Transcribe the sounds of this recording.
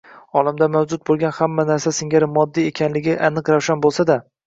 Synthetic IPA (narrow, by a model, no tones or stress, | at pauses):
ɒlamd̪amawd͡ʒʊt̪̚bolˠɡʲanhamːanaɾsasɪŋɡʲaɾɪmːɒd̪ːie̞kʲʰanlɪɡʲɪʔanɨqɾawʃanbolˠsad̪a